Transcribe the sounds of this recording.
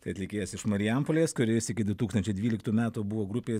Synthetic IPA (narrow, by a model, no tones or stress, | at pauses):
t̪ɐɪɐt̪ʲlʲɪkʲeːjɛsɪʃmɐɾʲɪjæmpolʲeːskʊɾʲɪsɪkʲɪd̪ʋʲɪt̪uːkst̪ɐnʲt͡ʃʲɛɪd̪ʲʋʲiːlʲɪkt̪uːmʲæːt̪uːbʊʋoːɡɾʊpʲeː